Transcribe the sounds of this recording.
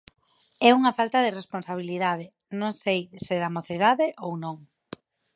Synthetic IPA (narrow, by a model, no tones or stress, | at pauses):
ɛuŋɐfalt̪ɐðeresponsaβ̞iliðað̞ɪ | nõŋsejðseɾamoθeð̞aðeʔownõŋ